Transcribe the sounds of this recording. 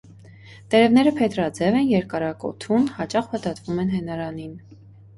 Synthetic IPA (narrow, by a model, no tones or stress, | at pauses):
t̪ɛɾɛvnɛɾəpʰɛt̪ɾɑd͡zɛvɛnjɛɾkɑɾɑkɔ̰t̪ʰunhɑt͡ʃɑχpət̪ɑt̪vumɛnɦɛnɑɾɑnin